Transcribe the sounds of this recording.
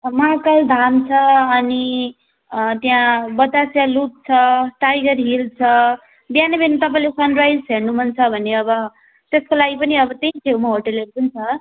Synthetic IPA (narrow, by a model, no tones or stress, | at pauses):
maɦkʌld̪ʱamt͡sʰʌːni | t̪jãbʌd̪asjalup̚t͡sʰʌʈajɡʌɾɦilt͡sʰʌ | bjanʌbʱenit̪ʌp̬ãĩlesʌnrajd͡zɦeɾnumʌnt͡sʰʌbʱʌnːeʌbʌ | t̪eskolaɡipʌniʌbʌt̪ejĩt̪ʰewmʌɦoʈʌlɦeɾupʌnt͡sʰʌ